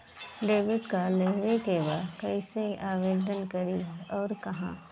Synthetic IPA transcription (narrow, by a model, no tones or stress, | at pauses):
ɖeːʋɪɖkaleːɦʋekebaːkɐɪseaːʋeːd̪ʱənkɐɾiɔːɾkɐɦã̰ː